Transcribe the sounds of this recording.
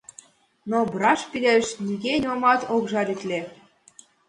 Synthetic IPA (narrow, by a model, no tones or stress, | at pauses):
nobɾɑʃpileʃnʲiɣenʲomɑt̪okʒɑɾʲit̪ʲlʲe